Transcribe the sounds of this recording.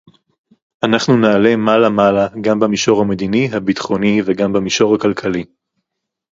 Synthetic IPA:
anaχnunaːle̞malamalaɡambamiʃo̞ʁhamed̪iniɦabit̪χo̞niveɡambemiʃo̞ʁhakalkʰali

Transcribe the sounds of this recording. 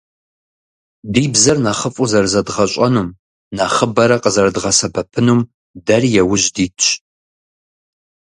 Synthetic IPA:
diːbzɐrnaχəfʼuzɐrzɐdʁɐɕʷʼɐnuːm | naːχəbɐɾɐqəzɐrdʁɐsɐbɐpʰɨnuːm | dɐrjɛwʊʑdiːtʰt͡ʃ

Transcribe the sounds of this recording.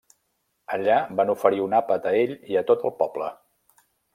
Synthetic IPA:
əʎabanufəɾiunapət̪əeʎiət̪ot̪ə̰lˠpɔblə

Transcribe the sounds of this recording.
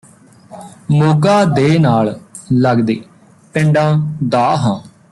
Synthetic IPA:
moːɡaːd̪eːnaːlləɡd̪ḛː | pɪ̃ɳɖãːd̪aːɦãː

